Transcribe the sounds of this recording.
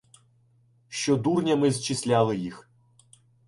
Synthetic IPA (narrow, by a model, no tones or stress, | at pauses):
ʃt͡ʃɔd̪urnʲɐmɪzt͡ʃɪsʲlʲalˠɪjix